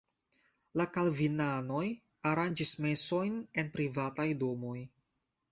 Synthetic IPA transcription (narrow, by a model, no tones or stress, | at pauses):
lakalvinano̞j | aɾand͡ʒisme̞so̞jne̞npɾivatajdo̞mo̞j